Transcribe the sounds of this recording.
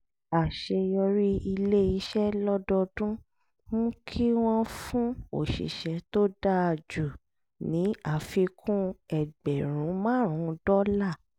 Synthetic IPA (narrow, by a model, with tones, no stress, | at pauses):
a˨ʃe˧jɔ˧ɾi˦i˧le˦i˨˧˦ʃɛ˦lɔ˦dɔ˧dũ˦ | mũ˦kʰi˦w̃ɔ̃˦fũ˦o̰˨ʃḭ˨ʃɛ̃˨˦to˦da˦a˧˨d͡ʒu˨ | nĩ˨˦a˦˨fi˧kʰũ˦ɛ˨ɡ͡bɛ˨ɾ̃ũ˨˦mãː˦˨ɾ̃ũ˨˦dɔ˦la˦˨